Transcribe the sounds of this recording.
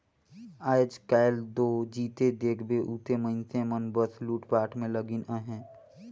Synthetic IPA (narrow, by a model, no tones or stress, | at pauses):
aːd͡ʒkaːɪld̪oːd͡ʒiːt̪ed̪eːkʰbeʔuːt̪emə̃ɪnsẽmənbəsluːʈpaːʈʰmẽləɡɪnəɦɛ̃ː